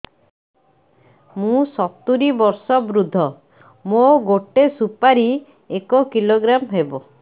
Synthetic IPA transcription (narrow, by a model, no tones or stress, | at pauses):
mũsɔt̪uɾibɔɾsɔbɾud̪ʱːɔ | moɡoʈesupaɾi | ekɔkiloɡɾamɦebo